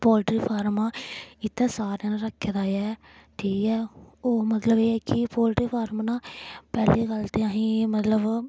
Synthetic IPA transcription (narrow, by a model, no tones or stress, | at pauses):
pɔːlʈɾiːpʰaːɾmãːɪt̪ːɛ̃ːsaːɾjãːnãɾəkʰːed̪aːɛː | ʈʰiːkɛːoːmət̪ləbeːɛːkɪpɔːlʈɾiːpʰaːɾmːnãːpɛːliːkəlt̪eːaɦĩːmət̪ləb